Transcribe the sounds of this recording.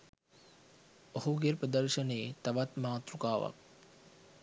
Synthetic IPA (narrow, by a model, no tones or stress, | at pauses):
ohuɡerprəd̪əɾʂəneet̪aʋat̪maːt̪ɾukaːʋa̰k̚